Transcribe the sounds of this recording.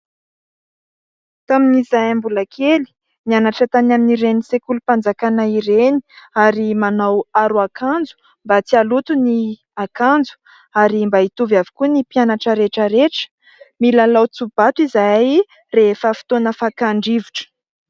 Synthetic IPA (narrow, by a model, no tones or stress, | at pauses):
t̪aminizajambulakʰeli̥ | nianaʈ͡ʂət̪anaminiɾenisekulupand͡zakanaiɾeni̥aɾimanawaɾuakand͡zu̥ | mbat͡sialut̪uni | akand͡zu̥ | aɾimbait̪uvjavi̥kunipianaʈ͡ʂəɾeʈ͡ʂəɾeʈ͡ʂə̥ | milalawt͡sub̥at̪izaj | refəfi̥t̪onəfakaɳɖ͡ʐivuʈ͡ʂə̥